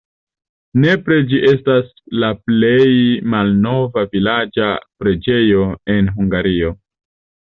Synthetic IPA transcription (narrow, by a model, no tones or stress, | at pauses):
ne̞pɾe̞d͡ʒiʔe̞staslaple̞jmalno̞vavilad͡ʒapɾe̞d͡ʒe̞jo̞e̞nɦuŋɡaɾio̞